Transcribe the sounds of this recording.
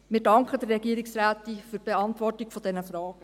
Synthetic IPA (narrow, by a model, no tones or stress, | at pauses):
mɪːɾdɑŋkχəd̥̪ərːɛɡiəɾɪksɾæːt̪ifyːɾb̥eɑntʋɔrtikfɔd̥ɛnəfɾɑːɡ̥ə